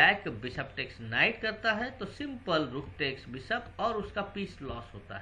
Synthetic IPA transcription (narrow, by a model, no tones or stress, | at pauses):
ɛːkbɪsəp̚ʈeːksnaːɪʈkɐɾt̪aɦɛt̪osɪ̃mpəlɾʊkʰʈeːksbɪsəpɔːɾʊskapiːslɔːsɦo̰ːtt̪a̰ɦɛ